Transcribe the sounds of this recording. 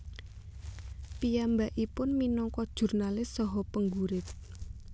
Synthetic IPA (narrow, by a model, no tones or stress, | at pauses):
pijambaʔipʊnminɔŋkɔd̥ʒ̥ṳrnalɪsːɔɦɔpəŋɡuɾɪt̪̚